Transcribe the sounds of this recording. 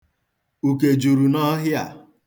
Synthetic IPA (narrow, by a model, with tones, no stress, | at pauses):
u˨ke˨d͡ʒu˨ɾu˨nɔ˦ɦɪ˦a̰˨